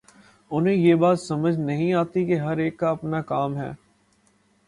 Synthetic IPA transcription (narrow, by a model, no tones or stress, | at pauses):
ʊnɦẽjeːbaːt̪sɐməd͡ʒʱnɐɦĩaːt̪ikeɦɐɾeːkːaɐpnakaːmɦɛ̰ː